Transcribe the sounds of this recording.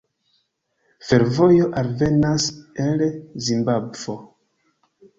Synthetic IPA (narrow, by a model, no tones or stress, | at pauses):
fe̞ɾvo̞jo̞ʔalve̞naselzimbabv̥o̞